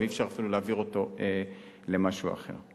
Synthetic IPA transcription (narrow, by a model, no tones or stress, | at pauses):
eifʃaʁafiluleːviʁo̞to̞e | le̞maʃua̰χe̞̰ʁ